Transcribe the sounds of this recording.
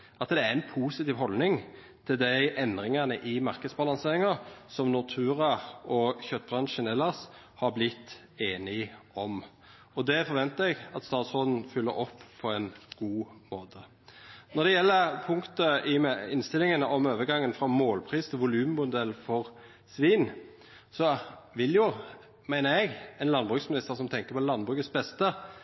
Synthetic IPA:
ʔɑt̪d̪ɛæɪnpʰuːsɪt̪iːʋɦɔlnɪŋ | t̪ʰɪld̪æɪʔɛnd̪ʁɪŋɑnəʔɪmɑɾkəd̪sbɑlɑŋseːɾɪŋɑsɔmnʊt̪ʰʉːʁɑɔçœt̪ːbʁɑnʃənɛlːɑs | hɑɾblɪt̪ː | eːnɪɔm | ɔd̪ɛfɔɾʋɛnt̪əɛɡɑt̪st̪ɑːt̪sʁɔd̪n̩fʏlːəɾɔpːpʰɔɛnɡ̥uːmoːt̪ʰə | nɔʁd̪ɛjɛlːəpʰʊŋkt̪əɪɛɪnst̪ɪlɪŋənəɔmøːʋəɡɑŋːənfɾɑmoːlpʰɾiːst̪ʰɪlʋʊlʉːmmʊd̪ɛlːfɔʁ | sʋiːn | sɔʋɪljʊ | mæɪnəɛɡɛɪnlɑnbʁʉːksmɪnɪst̪əɾsɔmt̪ʰɛŋkəpʰɔlɑnbʁʉːkət̪sbɛst̪ə

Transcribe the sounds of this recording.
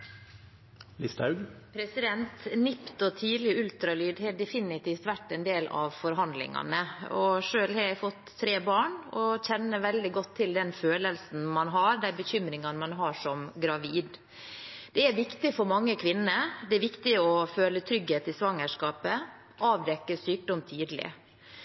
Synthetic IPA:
lɪst̪ɑʉɡ | pʰɾɛsɪd̪ɛnt̪nɪpt̪ɔt̪ʰiːlɪʉlt̪ɾɑlyːd̪hɛɖɛfɪnɪt̪ʰiːft̪ʋæʈːɛnd̪eːlɑ̰ʋfɔɾɦɑnd̪lɪ̰ŋɑ̰nəɔʂøːlhɑɾjæfɔt̪ʰːɾeːbɑːɳɔçɛnːəʋɛld̪ɪɡɔt̪ʰːɪld̪ɛnføːləlsn̩mɑnɦɑɾd̪ænbəçʏmɾɪŋɑnəmɑnɦɑʂɔmɡɾɑʋiːd̪ | d̪̥ɛæɾʋɪkt̪ɪfɔɾmɑŋːəkʰʋɪnːəd̪ɛæɾʋɪkt̪ɪɔføːlət̪ʰɾʏɡheːt̪ɪsʋɑŋːəʂkɑːpə | ʔɑːʋd̪ɛkːəsyːk̚d̪ɔmt̪ʰyːd̪lɪ̰

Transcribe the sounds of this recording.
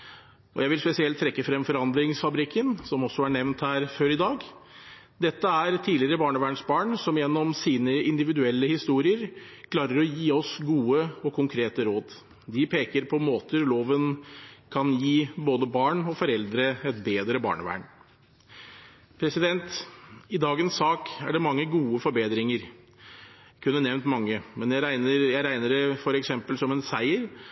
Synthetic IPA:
ɔjæɪʋɪlspɛsɪɛlt̪ʰɾɛkːəfɾɛmfɔɾɑnd̪ɾɪŋsfɑbɾɪkːənsɔmɔsːɔæɳɛʋnt̪hæːɾføːɾɪd̪ɑːɡ | d̪ɛt̪ːəæɾt̪ʰiːlɪɾəbɑːɳəʋæːɳsbɑːɳsɔmjɛnːɔmsiːnəɪnd̪ɪʋɪd̪ʉɛlːəhɪst̪uːɾɪəɾkʰlɑːɾəɾɔjiːɔsɡuːəɔkʰʊŋkʰɾeːt̪əɾoːd̪ | d̪ɪpʰeːkəɾpʰɔmoːt̪əloːʋənkʰɑnjiːboːd̪əbɑːɳɔfɔɾɛld̪ɾəɛt̪̚beːd̪ɾəbɑ̰ːɳəʋæ̰ːɳ | pʰɾɛsɪd̪ɛnt̪ɪd̪ɑːɡənsːɑːkæɖɛmɑŋːəɡuːəfɔɾbeːd̪ɾɪŋəɾ | kʰʉnːənɛʋnt̪mɑŋːəmɛnjæɾæɪnəɾjæɪɾæɪnəɖɛfɔɾɛksɛmpəlsɔmɛnsæɪəɾ

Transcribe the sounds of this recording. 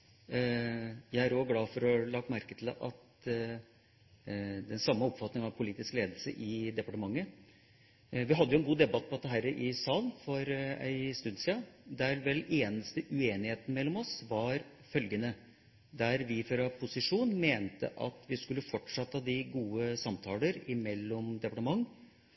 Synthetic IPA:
jæɪæɾoɡlɑːfɔɾɔlɑɡmæɾkət̪ʰɪlʔɑ̰t̪ | d̪ɛnsɑmːəɔpfɑt̪nɪŋɑʋpʰʊliːt̪ɪskleːd̪əlsə̰ʔɪd̪ɛpɑʈəmɑŋːə | ʋɪɦɑd̪ːəjʊɛnɡuːd̪ɛbɑt̪̚ːpʰɔt̪ːəɦæːɾəʔɪsɑːlnfɔɾæ̰ɪst̪ʉd̪sɪɑd̪æɾʋɛleːnəst̪əʔʉeːnɪheːt̪n̩mɛlːɔmɔsʋɑɾ | fœlɡənə | d̪æɾʋɪføːɾɑpʰʊsɪʂuːnmeːnt̪ə̰ʔɑ̰t̪ʋɪskʉlːəfɔʈʂɑt̪ːəhɑd̪ɪɡuːəsɑmt̪ʰɑːləɾɪmɛlːɔmd̪ɛpɑʈəmɑŋː

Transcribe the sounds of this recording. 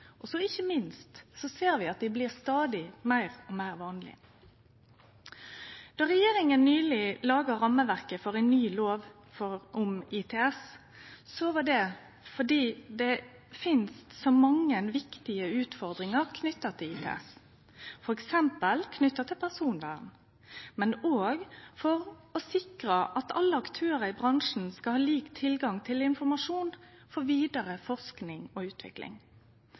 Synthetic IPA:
ʔɔsɔɪçːəmɪnst̪sɔseːɾʋɪɑt̪̚d̪ɪblɪʁst̪ɑːd̪ɪmæɪʁɔmæɪʁʋɑːnlɪ̰ | d̪̥ɑːɾɛjeːɾɪŋənːyːlɪlɑːɡəɾɑmːəʋæʁkəfɔʁæɪnːyːloːʋ | fɔɾʔʊmɪt̪ʰɛɛs | sɔʋɑɖɛ | fɔɖiːd̪ɛ | fɪnst̪sɔmɑŋːənʋɪkt̪ɪəʉːt̪fɔʁd̪ɾɪŋəʁkʰnʏt̪ːɑt̪ʰɪliːt̪ʰɛ̰ːɛ̰s | fɔɾɛksɛmpəlkʰnʏt̪ːɑt̪ʰɪlpʰæsuːnʋæ̰ːʁn | mɛnoːɡfɔʁɔsɪkɾəʔɑt̪ɑ̰lːəɑkt̪ʰøːɾəɪbʁɑŋʂn̩skɑlhɑːliːkt̪ʰɪlɡɑŋt̪ʰɪlɪnfɔɾmɑʂuːnfɔʋiːd̪əɾəfɔʁsknɪŋɔʉːt̪ʰʋɪ̰klɪ̰ŋ

